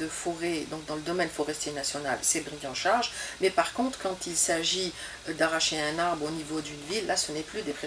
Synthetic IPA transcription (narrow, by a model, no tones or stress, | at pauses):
d̪əfɔʁed̪ɔ̃k̚d̪ɑ̃ləd̪ɔmɛnfɔʁɛst̪jenasjɔna̰lsɛbʁijɑ̃ʃaʁʒmɛpaʁkɔ̃t̪χkɑ̃t̪ilsaʒi | d̪aʁaʃeɛ̃naʁbʁonivod̪ynvilːasənɛplyd̪epχe